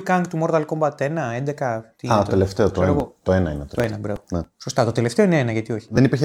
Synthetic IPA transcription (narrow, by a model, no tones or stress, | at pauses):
kɐŋkt̪umoɾðɐlkombɐt̪enɐend̪ekɐt̪iiɐott̪eleft̪eot̪oɾɐt̪oenɐinet̪ooenɐbɾɐ̰voneso̞st̪ɐt̪ot̪e̞left̪e̞o̞ineenɐʝɐt̪io̞çi̥ðenipiɾçe